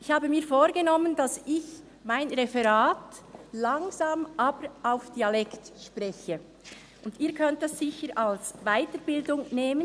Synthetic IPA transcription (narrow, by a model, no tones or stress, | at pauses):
ʔɪçhaːbəmiːɐfoːɾɡenɔmənd̥asɪç | maɪnʁɛfɛʁaːtlaŋzaːmʔaːbəɾʔaʊfd̥ialɛktʃpʁɛçə | ʔʊndiːɐkʰœnt̚d̥asːɪçəɾʔalsvaɪtəɾbɪldʊŋneːmən